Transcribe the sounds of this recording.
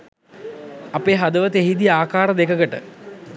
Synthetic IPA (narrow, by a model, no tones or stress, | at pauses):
apeːɦad̪əʋət̪eɦid̪iaːkaːɾəd̪ekəɡəʈə̰